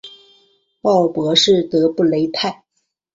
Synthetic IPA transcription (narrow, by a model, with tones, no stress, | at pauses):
pɑ˥˩ʊpwɔ˧˥ʂɻ̩˥˩t̪ɤ˧˥pu˥˩le˧˥ɪt̪ʰa˥˩ɪ